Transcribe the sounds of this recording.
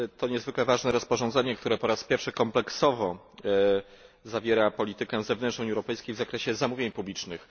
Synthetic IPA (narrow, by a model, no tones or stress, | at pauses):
t̪ɔɲɛzvɘklɛvaʐnɛɾɔspɔʐɔnd̪zɛɲɛk̚t̪uɾɛpɔɾaspʲjɛɾfʂɘkɔmplɛksɔvɔ | zavʲjɛɾapɔlʲit̪ɘkɛzɛvnɛntʂnɔ̃uɲɛwɾɔpɛjskʲejvzakɾɛɕɛzamuvʲjeɲpublʲit͡ʂnɘx